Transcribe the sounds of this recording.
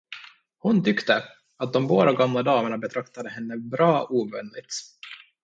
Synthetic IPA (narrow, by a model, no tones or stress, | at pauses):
hʊnt̪ʰʏkt̪ə | at̪̚d̪ɔmboːd̪aɡamlad̪ɑːməɳabɛt̪ʰɾakt̪ad̪əhɛnːəbɾɑːʔuːvɛ̰nlɪt̪